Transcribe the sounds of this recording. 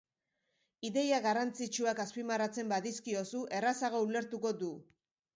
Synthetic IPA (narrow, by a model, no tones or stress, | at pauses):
iðe̞jaɣarant͡sit͡ʃuakaspimarat͡se̞mbaðiskio̞suʔe̞rasaɣoule̞ɾt̪uko̞d̪u